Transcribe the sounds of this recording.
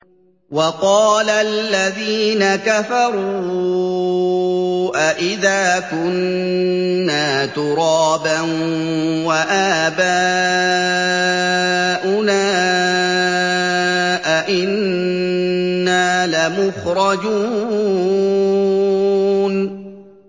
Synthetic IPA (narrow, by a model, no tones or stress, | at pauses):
wɑqɑːlalːaðiːnakafɑɾuː | ʔaʔɪðaːkʊnː | aːt̪ʊɾɑːban | waʔaːbaː | ʔʊnaː | ʔaʔɪn | aːlamʊxɾˤɑd͡ʒuː | n